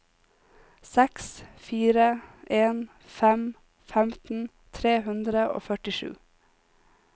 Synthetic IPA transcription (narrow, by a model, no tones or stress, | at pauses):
sɛksfiːɾəʔeːn | fɛm | fɛmt̪n̩ | t̪ʰɾeːhʉnd̪ɾəʔo̰ːfœʈɪʃʉ̰ː